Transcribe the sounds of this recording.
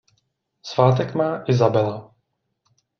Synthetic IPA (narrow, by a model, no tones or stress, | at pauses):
svaːt̪̬ɛkmaːʔɪzabɛla